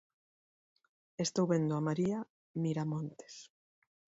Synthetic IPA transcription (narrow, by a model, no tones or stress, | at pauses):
est̪owβend̪ʊamaɾia | miɾamõnt̪e̥s